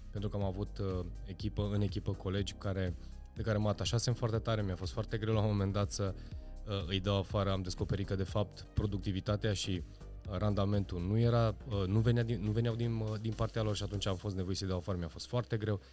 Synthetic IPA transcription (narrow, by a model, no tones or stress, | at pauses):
pe̞nt̪ɾukəamavut̪ | e̞kʲipəɨne̞kʲipəko̞le̞d͡ʒʲkaɾe̞ | d̪̥ekaɾe̞məat̪aʃasefoart̪et̪aɾe̞mijafo̞st̪foart̪e̞ɡɾe̞wlaomo̞me̞nd̪at̪sə | ɨjd̪awafaɾəamd̪e̞sko̞pe̞ɾit̪kəd̪e̞fap̚t̪pɾo̞d̪uk̚t̪ivit̪at̪eaʃi | rand̪ame̞nt̪unuje̞ɾaənuve̞njad̪inːuve̞njawd̪ind̪inpart̪ealo̞rʃiat̪unt͡ʃamfo̞s̬t̪ne̞vo̞jesəjd̪awafaɾəmijafo̞st̪foart̪e̞ɡɾe̞w